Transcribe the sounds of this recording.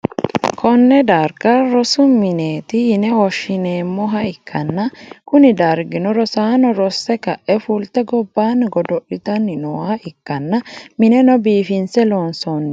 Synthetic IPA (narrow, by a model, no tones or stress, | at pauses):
kʰɔnːɛd̪ɐɾkɐɾɔsʊmɪneːt̪ɪjɪnɛwɔʃːɪneːmːɔɦɐɪkʰːɐnːɐkʊnɪd̪ɐɾɡɪnɔɾɔsaːnɔɾɔsːɛkɐʔːɛfult̪ːɛɡɔbːaːnɡɔd̪ɔʔɪt̪ɐnːɪnɔwaːɪkːɐnːɐmɪnɛnɔbiːfɪnsɛloːnsɔn